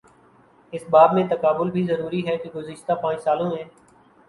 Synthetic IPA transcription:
ɪsbaːdmẽːt̪əkaːbʊlbʱiːzəɾuːɾiːɦɛːkeɡʊzɪʃt̪aːpãːt͡ʃsaːlõːɦɛ̃ː

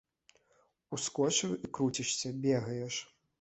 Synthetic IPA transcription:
uskɔt͡ʂɨjuʔikɾut͡sʲiʂsʲɐbʲɛɣɐjɛʂ

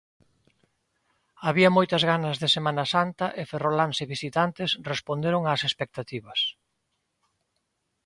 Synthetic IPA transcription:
aβiɐmojt̪ɐzɣanɐzðɪsemãnɐsant̪ɐʔeferolanseβisit̪ant̪ɪsrespond̪eɾoŋasespek̚t̪at̪iβɐs

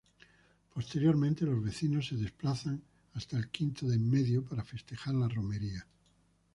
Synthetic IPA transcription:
po̞st̪e̞ɾjo̞ɾmẽnt̪e̞lo̞zβe̞θino̞sːe̞ðe̞splaθaŋ | ast̪aelkint̪oðemːe̞ðjopaɾafe̞st̪e̞xaɾlarome̞ɾia

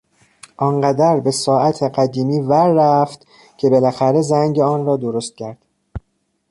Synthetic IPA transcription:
ʔɒnɢæd̪æɾbe̞sɒːʔæt̪ʰeɢæd̪iːmiːvæɾːæft̪ | cʰe̞belæxæɾe̞zæŋɟeɒːnrɒːd̪oɾo̞st̪̚cʰæɾd̪̥

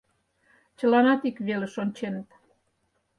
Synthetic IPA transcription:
t͡ɕə̆lɑnɑt̪ikβelĕʃonʲt͡ɕenət̪

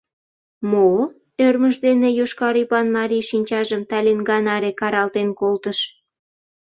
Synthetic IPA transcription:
mo | ørməʃd̪enejoʃkɑɾipɑnmɑɾiʃinʲt͡ɕɑʒəmt̪ɑlʲenɡɑnɑɾekɑɾɑlt̪enkolt̪əʃ

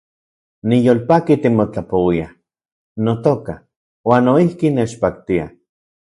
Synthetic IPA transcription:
nijoːlpaːkit̪imot͡ɬapowia | not̪oka | waːnːoihkinet͡ʃpak̚t̪ia̰

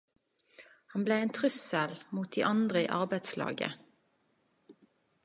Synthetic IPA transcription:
hɑnbleːeːnt̪ʰʁʉsəlmuːt̪̚d̪ḭːʔɑnd̪ʁəḭːʔɑʁbæɪd̪slɑ̰ːɡə̰

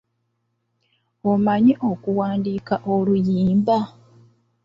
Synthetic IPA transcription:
omaɲiʔokuwaːndiːkaʔolujiːmba

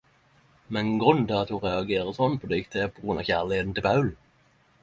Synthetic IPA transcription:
mɛnɡʁʉnt̪ɪɑt̪hʊʁɛɑɡeːʁəsɔnːpʰɔd̪ɛɪkt̪ʰeːpʰɔɡɾʉnɑ̰ʋçæːʁlɪheːt̪n̩t̪ɪlpʰɑʉl

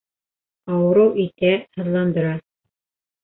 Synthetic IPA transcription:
ɑwɤ̆ɾɤwʔit̪æhɤ̆ðlˠɑnd̪ɤ̆ɾɑ

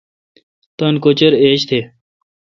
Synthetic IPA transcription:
t̪ɐnkot͡ɕəɾeːɕt̪ʰeː

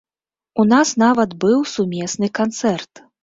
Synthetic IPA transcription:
unasnavɐd̪bɨwsumʲɛsnɨkant̪sɛrt̪

